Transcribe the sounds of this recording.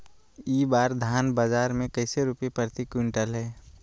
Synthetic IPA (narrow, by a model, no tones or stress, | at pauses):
iːbaːɾd̪ʱaːnbaːd͡ʒaːɾmẽkəɪseɾʊpepəɾt̪ikʊɳʈəlɦɛː